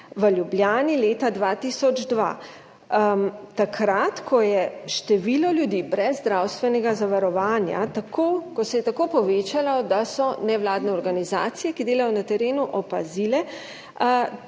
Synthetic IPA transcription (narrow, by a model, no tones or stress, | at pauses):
ʋəljubljaːnileːt̪ad̪ʋat̪iːsɔd͡ʒd̪ʋa̰ | t̪akʰɾat̪kʰɔjɛʃt̪ɛʋilɔljud̪ibɾɛzːd̪ɾawst̪ʋɛnɛɡazaʋaɾɔʋaːnja̰t̪akʰokɔsɛjɛt̪akoːpɔʋeːt͡ʃalad̪asɔnɛʋlaːd̪nɛɔɾɡaniza̰ːt̪sijɛkid̪eːlajɔnat̪ɛɾeːnuʔɔpa̰zilɛ